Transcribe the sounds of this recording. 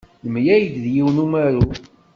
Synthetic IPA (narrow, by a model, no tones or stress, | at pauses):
ləmjæjd̪ðjiwnumæɾu